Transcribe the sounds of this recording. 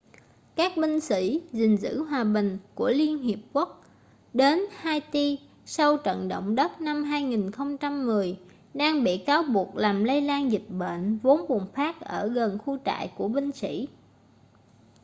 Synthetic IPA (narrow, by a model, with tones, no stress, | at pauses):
kaː˦˥k̚ɓï˧ŋ̟sḭ˧˥zï˨˩ŋ̟zɨ̰˧˥ɦwaː˨˩ɓï˨˩ŋ̟ku˧˩əli˧ənɦi˨˩əp̚ku˦˥ək̚ | ɗe˨˦nhaː˧jt̪i˧ | sa˧wt͡ɕə̰˧˨nɗo̰˧˨wŋ͡mɗə˦˥t̚na˧mɦaː˧jŋi˨˩nxə˧wŋ͡mt͡ɕa˧mːɨ˨˩əj | ɗaː˧ŋɓḭ˧˨kaː˨˦wɓu˨˩ək̚laː˨˩mlə˧jlaː˧nzï˨˩k̟̚ɓḛ˧˨nvo˨˦nɓu˨˩ənfaː˦˥k̚ʔəː˧˩ɣə˨˩nxu˧t͡ɕa̰ː˧˨jku˧˩əɓï˧ŋ̟sḭ˧˥˨